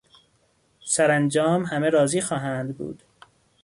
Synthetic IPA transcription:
sæɾænd͡ʒɒːmhæmeɾɒːziːxɒːɦæːnd̪bṵːd̪̥

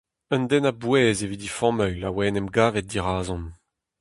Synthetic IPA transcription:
ənd̪ɛnabwɛːzevid̪ifɔ̃mœjlawɛːnɛmɡaːvɛt̪̚d̪iʁaːzɔ̃n

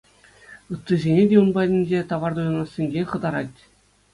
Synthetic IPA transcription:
ɯt̪ːɯzʲenʲedʲeunbɑdʲinʲd͡ʑʲet̪ɑʋɑrd̪ujɑnɑsʲːenʲɡʲeχɤ̆d̪ɑɾɑtʲ

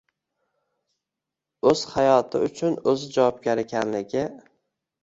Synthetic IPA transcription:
ɵz̥hajɒt̪ʰɪ̰ʊt͡ʃʰʊnɵzɪd͡ʒawɒb̚ɡʲaɾɪkʲʰanlɪɡʲɪ

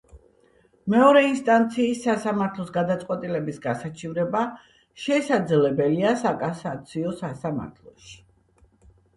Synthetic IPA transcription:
mɛɔɾɛinst̪ʼant̪sʰiːsːasamaɾt̪ʰlˠɔsɡad̪at̪sʼqʼwɛt̪ʼilɛbisɡasat͡ʃʰivɾɛba | ʃɛsad̪zlɛbɛliasakʼasat̪sʰiɔsasama̰ɾt̪ʰlˠɔʃi̥

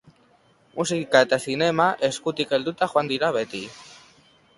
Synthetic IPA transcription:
mʔusikaet̪eθinemaʔeskut̪ikeld̪ut̪axwand̪iɾaβet̪i

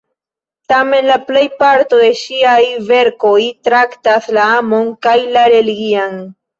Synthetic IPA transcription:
tame̞nlaple̞jpaɾto̞d̪e̞ʃiajve̞ɾko̞jtɾaktaslaamo̞ŋkajlaɾe̞liɡian

